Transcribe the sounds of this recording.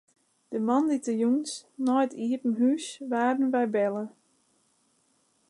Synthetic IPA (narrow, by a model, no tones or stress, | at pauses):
d̥əmɑnditəjuŋsnɔjtʰiətn̩ɦysʋaːdn̩ʋɛjbɛlˠə